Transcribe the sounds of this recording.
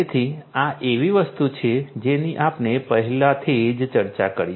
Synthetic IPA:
et̪ʰiaʔeʋiʋəst̪ut͡ʃʰed͡ʒeniʔapnepəɦɛlat̪ʰid͡ʒt͡ʃəɾt͡ʃa̰kəɾi

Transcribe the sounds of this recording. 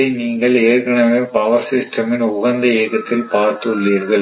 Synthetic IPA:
ɐɪniːŋɡɐɭeːrkɐɳɐʋeːpɐʋɐɾsɪsʈɐmɪnʊɣɐnd̪ɐeːɣɐt̪ːɪlpaːɾt̪ɯɭːiːɾɣɐɭ

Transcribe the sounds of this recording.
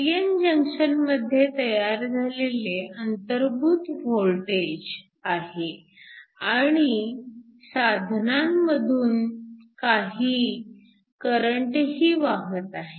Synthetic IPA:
ɡend͡ʑəŋkʂənməd̪ʱːjet̪əjaɾd͡zʱaleleənt̪əɾbʱuːt̪ʋolʈed͡ʑ | aɦe | aɽ̃i | sad̪ʱnamːəd̪ʱuːnkaɦiː | kəɾəɳʈɦiːʋaɦət̪aɦe

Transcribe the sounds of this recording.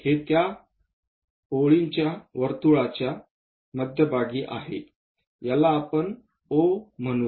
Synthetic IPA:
het̪ja | oɭiɲt͡ɕjaʋəɾt̪uɭat͡ɕja | məd̪ʱjəbʱaɡiːʔa̰ɦḛ | jalaːpəɳ | om̤ənu

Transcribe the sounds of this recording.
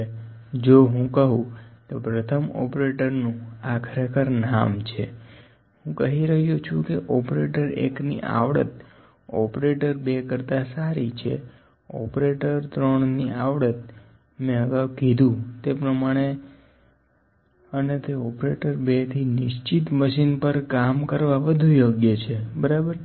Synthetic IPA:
d͡ʒoɦũkəɦũt̪opɾət̪ʰəmɔ̰pɾeʈəɾnũakʰəɾekəɾna̰mt͡ʃʰe | ɦũkəɦiɾəɦjut͡ʃʰũkeʔɔpɾeʈəɾḛknḭʔa̰ʋɽə̰t̪̚ | ɔpɾeʈəɾbekəɾt̪asaɾit͡ʃʰḛ | ɔ̰pɾeʈəɾt̪ɾəɳniaʋɽət̪̚ | mẽəɡaʋkid̪ʱũt̪epɾəmaɽ̃e | ənet̪eɔpɾeʈəɾbet̪ʰinɪʃt͡ʃit̪məʃinpəɾkamkəɾʋaʋəd̪ʱujoɡjət͡ʃʰebəɾabəɾ

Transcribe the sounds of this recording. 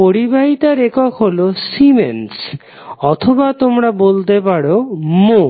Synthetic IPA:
poɽibʱaɦit̪aɾekɔkʰɦolosimens | ɔt̪ʰobat̪omɾabolt̪epaɽomo

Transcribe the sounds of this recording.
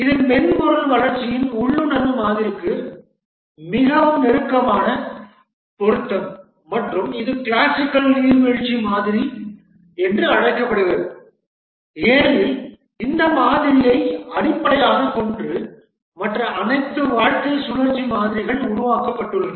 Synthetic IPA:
ɪðɯnmɛnmʊɾɐlʋɐɭɐɾt͡ʃːɪjɪnʊɭːɯnɐnːɯmaːðɪɾɯkːɯ | mɪɣɐʋɯmnɛɾɯkːɐmaːnɐ | pɔɾɯt̪ːɐmː | ɐʈrɯmɪðɯkɪɭaːsɪkːɐlniːɾʋɛɻt͡ʃːimaːðɪɾi | ɛndrɯɐɽɐɪkːɐpːɐɽɯɣɐðɯ | eːnɐʋi | ɪnd̪ɐmaːðɪɾɪjɐɪɐɽɪpːɐɽɐjaːɣɐkɔɳdrɯ | mɐʈrɐɐnɐɪt̪ːɯʋaːɻkɐɪsʊlɐɾt͡ʃːimaːðɪɾɪɣɐɭʊɾʊʋaːkɐpːɐʈːɯɭːɐðɯ

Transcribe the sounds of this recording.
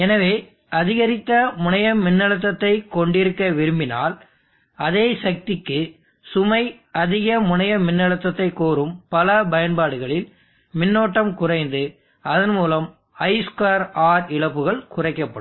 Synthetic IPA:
ɛnɐʋeː | ɐðɪɣɐɾɪt̪ːɐmʊnɐjɐmɪnːɐɭɐt̪̬ːɐt̪ːɐɪkːɔɳɖɪɾɯkːɐʋɪɾɯmbɪna̰ːl | ɐðeːsɐk̚t̪ɪkːɯ | sʊmɐɪ | ɐðɪɣɐmʊnɐjɐmɪnːɐɭɐt̪ːɐt̪ːɐɪkːoːɾɯmpɐlɐbɐjɐnbaːɽɯɣɐɭɪl | mɪnːoːʈːɐmkʊrɐɪnd̪ɯ | ɐðɐnmuːlɐm | ɐɪskaːɾaːɾɪɭɐpːɯɣɐɭkʊrɐɪkːɐpːɐɽɯm

